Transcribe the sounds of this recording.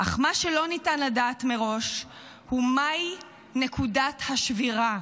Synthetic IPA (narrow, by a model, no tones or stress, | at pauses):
ʔaχmaʃe̞lo̞nitanladaːtme̞ʁo̞ʃ | humaj | nekʰudathaʃviʁa